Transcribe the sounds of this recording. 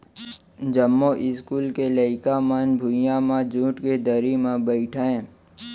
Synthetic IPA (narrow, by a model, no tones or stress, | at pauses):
d͡ʒəmːoʔɪskuːlkeləɪkamanbʱʊjãmãd͡ʒũːʈked̪əɾimãbəɪʈʰẽ